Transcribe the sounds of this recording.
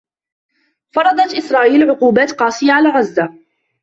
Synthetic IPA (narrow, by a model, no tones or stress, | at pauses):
fɑɾˤɑd̪ˤɑt̪ʔɪsɾˤɑːʔiːlʕʊquːbaːt̪qɑːsˤɪjaʕalaːɾɑzːa